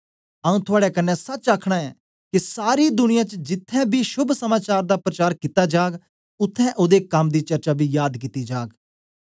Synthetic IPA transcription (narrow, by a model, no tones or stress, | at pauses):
ɐũt̪ʰʊaːɽɛkɐnːɛ̃sɐt͡ʃaːkʰɽ̃aɛː | kisaːɾid̪ʊnɪjãt͡ʃd͡ʒɪt̪ʰːɛ̃bʱiʃʊbʱsɐmaːt͡ʃaːɾd̪apɾɐt͡ʃaːɾkit̪ad͡ʒaːɡ | ʊt̪ʰːɛ̃ʔod̪ekɐmd̪iːt͡ʃɐɾt͡ʃabʱijaːd̪kɪt̪id͡ʒaːɡ